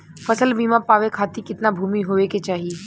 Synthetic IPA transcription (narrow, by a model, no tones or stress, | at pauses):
fɐsəlbiːmãpaːʋekʰaːt̪ikɪt̪nabʱuːmiɦoʋeket͡ʃaːɦiː